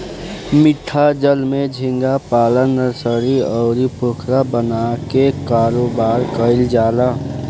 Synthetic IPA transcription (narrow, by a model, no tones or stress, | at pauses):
mɪʈʰːad͡ʒəlmẽd͡ʒʱɪŋɡapaːlənːəɾsəɾiɔʊɾipoːkʰɾabənakekaːɾoːbaːɾkəɪld͡ʒaːla